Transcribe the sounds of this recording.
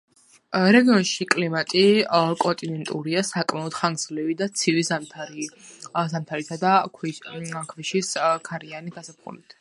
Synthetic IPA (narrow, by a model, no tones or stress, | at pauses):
ɾɛɡiɔnʃikʼlimat̪ʼikʼɔnt̪ʼinɛnt̪ʼuɾiasakʼmaɔd̪̥χaŋɡz̥livid̪at̪sʰivizamt̪ʰaɾizamt̪ʰaɾit̪ʰad̪akʰikʰviʃiskʰaɾianiɡasap̚ʰχṵlit̪ʰ